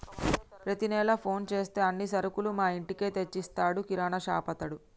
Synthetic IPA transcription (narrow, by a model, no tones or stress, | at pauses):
pɾɐt̪inɛːlɐpʰo̞ːnt͡ʃe̞ːst̪e̞ːɐnːisɐɾukulumaːiɳʈike̞ːt̪et͡ʃːist̪aːɽukiɾaːnɐʃa̰ːpɐt̪ɐɽu